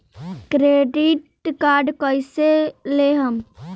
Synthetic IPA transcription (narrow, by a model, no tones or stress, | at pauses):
kɾeɖiʈ | kaɾɖkəjseleɦəm